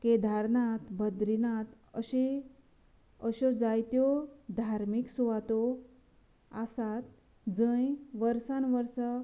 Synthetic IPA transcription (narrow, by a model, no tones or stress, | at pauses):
ked̪ʱaɾnat̪bʱəd̪ɾinat̪ | əɕe | əɕod͡zajt̪jod̪ʱaɾmiksuʋat̪o | asat̪ | d͡zə̃jʋəɾsãnʋəɾsə